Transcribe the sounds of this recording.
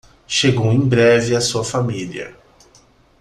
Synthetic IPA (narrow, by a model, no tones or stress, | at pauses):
ʃeɡowẽj̃bɾɛvɪɐsuɐfamiliɐ̰